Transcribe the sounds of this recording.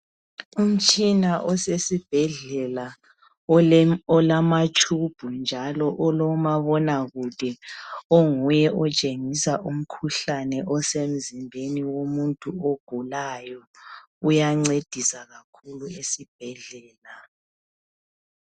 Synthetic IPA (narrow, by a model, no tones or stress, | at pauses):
um̩t͡ʃʼinaʔɔsesib̥ʱɛɮɛla | ɔlamat͡ʃʼʰub̥ʱund͡ʒʱalɔʔɔlɔmaβɔnaɣud̥ʱɛɔŋujɛʔɔt͡ʃʼeŋisaʔum̩kʰuɬanɛʔɔsem̩zimbʱeniwomuntʼuoɡ̥ʱulajɔ | ujaŋ͡ǀed̥ʱisaɣakʰuluesib̥ʱɛɮɛːla